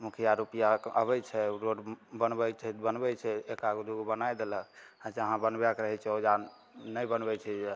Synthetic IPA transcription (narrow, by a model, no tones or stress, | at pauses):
mukʰijaɾupijaəβɛt͡ʃʰɛɾoɖbənbɛjt͡ʃʰɛbənbɛt͡ʃʰɛekaɡd̪uɡobənajd̪eləad͡ʒəɦãbənbakɾəɦɛt͡ʃʰɛod͡ʒanː | əbənbɛt͡ʃʰɛd͡ʒe